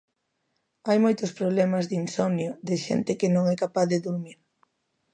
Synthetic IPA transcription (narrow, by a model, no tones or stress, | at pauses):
ajmojt̪ʊspɾoβlɛmɐzðinsɔnjʊðɪʃɛ̰nt̪ɪkɪnõŋɛkapaθðeðuɾmiɾ